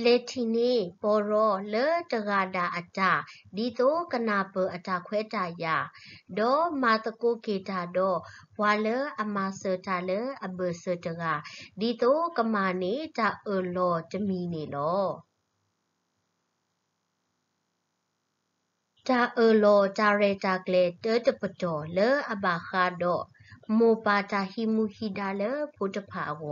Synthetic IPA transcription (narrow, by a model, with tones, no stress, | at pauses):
lɛ˨tʰi˨ne˦˨bɔ˨ɹɔ˨lə˦də˨ɡa˨da˨ʔə˨da˨di˨t̪o˦kə˨na˨bə˨ʔə˨da˨kʰwɛ˦da˨ja˨dɔ˦˨ma˨t̪əko˦˨ɡe˨da˨dɔ˦˨wa˨lə˦ʔə˨ma˨sə˨da˨lə˦ʔə˨bə˨sə˨də˨ɡa˨di˨t̪o˦kə˨ma˨ne˦˨ta˨ʔə˨lɔ˨tə˨mi˨ne˨lɔ˨˦ | ta˨ʔə˨lɔ˧˨ta˨ɹɛ˧˨ta˨klɛ˨tə˦tə˨pə˨dɔ˨lə˦ʔə˨ba˨xa˦˨dɔ˦˨ʔ | mo˨pa˨ta˨hi˦mu˧˨hi˦˨da˧˨lə˦pʰo˧˦tə˨pʰa˨ʔə˨wɔ˨